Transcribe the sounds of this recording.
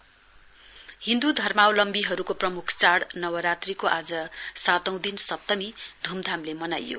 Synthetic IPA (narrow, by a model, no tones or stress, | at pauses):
hĩnd̪ud̪ʱʌrmawlʌmbiɦʌɾukoprʌmukʰt͡saɽnʌwʌɾat̪rikoʔad͡zʌsat̪ʌw̃d̪insʌt̪ːʌmid̪ʱumd̪ʱamlemʌnajo̰